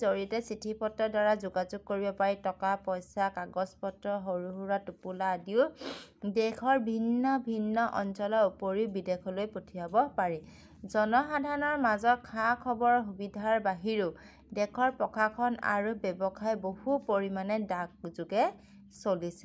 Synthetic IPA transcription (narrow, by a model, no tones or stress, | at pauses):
zoɹitɛsitʰipɔtːɔdaɹazuɡazuɡ̚koɹibɔpaɹitɔkapɔjsakaɡɔspɔtːɹɔɦoɹuɦuɹatupuladiʊ | dɛkʰɔɹbʱinːɔbʱinːɔʔɔnsɔlɔupoɹiʊbidekʰɔlojpotʰiabɔpaɹi | zɔnɔxadʱaɔnɔɹmazɔkʰakʰɔbɔɹɦubidʱaɹbaɦiɹu | dɛkʰɔɹpɹɔkʰakʰɔna̰ɹubɛbɔkʰajbohupoɹimanɛdak̚zuɡɛ | solisɛ̥